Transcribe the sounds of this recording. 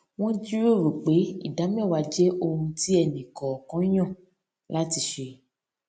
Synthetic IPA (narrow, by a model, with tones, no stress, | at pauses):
w̃ɔ̃˦d͡ʒi˦ɾo˦˨ɾo˨k͡pe˨˦ḭ˦˨da˨˦mɛ̃˦˨wa˨˧˦d͡ʒɛ˦ʔo˧hũ˧ti˦ɛ˧nĩ˨kɔ˨kɔ̃˨˦j̃ɔ̃˦˨ | la˦ti˧˦ʃe˧